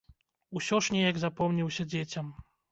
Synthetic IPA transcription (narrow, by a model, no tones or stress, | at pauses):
usʲɔʂnʲɛjɐɡzapɔmnʲiwsʲɐd͡zʲet͡sʲɐm